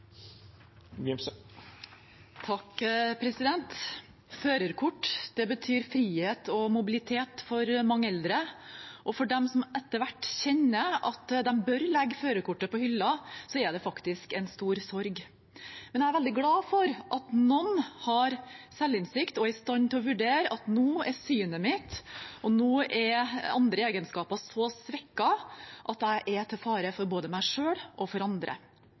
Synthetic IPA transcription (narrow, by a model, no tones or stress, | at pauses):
ɡɪms | t̪ʰɑkpʰɾɛsɪd̪ɛnt̪ | føːɾəɾkʰʊʈːd̪̥ɛbət̪ʰyːɾfɾiːheːt̪ɔmʊbɪlɪt̪ʰeːt̪fɔɾmɑŋːəɛld̪ɾəʔɔfɔɖɛmsɔmɛt̪ːəɾʋæʈːçɛnːəɑt̪d̪ɛmbœɾlɛɡːføːɾəkʊʈːəpɔhʏlːɑsɔɛɖ̪ɛfɑkt̪ɪskɛnst̪uːɾsɔɾɡ | mɛnjææɾʋɛld̪ɪɡlɑːfɔɾʔɑt̪nɔnhɑɾsɛlːɪnsɪkt̪ɔæɪst̪ɑnt̪ʰɪlɔʋʉɖeːɾəɑt̪nuːɛɾsyːnəmɪt̪ʔɔnuːɛɾɑnd̪ɾəeːɡənskɑːpɑsɔsʋɛkːɑʔɑt̪æɪʔɛt̪ʰɪfɑːɾəfɔɾboːd̪əmæɪʂøːɽʔɔfɔɾɑnd̪ɾə̰